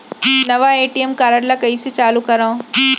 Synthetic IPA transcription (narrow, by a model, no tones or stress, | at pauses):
nɐʋaeːʈijemkaːɾəɽlakɐiset͡ʃaːlukɐɾaõ